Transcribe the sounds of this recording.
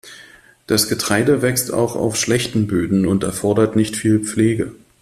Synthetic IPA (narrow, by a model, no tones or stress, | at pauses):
d̥asɡ̥ətʁ̥aɪdəvɛksta̰ʊxa̰ʊfʃlɛçtn̩bøːdn̩ʊntɛɐfɔɐdɐtnɪçtfiːlp͡fleːɡə